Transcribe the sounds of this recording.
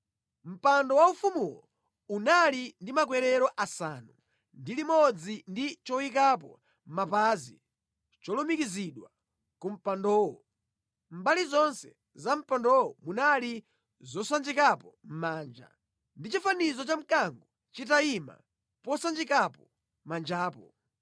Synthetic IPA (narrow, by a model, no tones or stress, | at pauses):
m̩pandɔwaufumulɔ | unalindimak̬wɛɾɛɾɔʔasanu | ndilimɔd͡zindit͡ʃɔwikap̬ɔ̰ | mapaːzi | t͡ʃɔlumikiziɗwa | kum̩pandɔːwɔ | m̩balizɔnsɛ | zam̩pandɔwɔmunali | zɔsand͡ʒikapɔm̩maːnd͡ʒa̰ | ndit͡ʃifanizɔt͡ʃam̩kaŋɡɔ | t͡ʃitaima̰ | pɔsand͡ʒikapɔ | mand͡ʒaːpɔ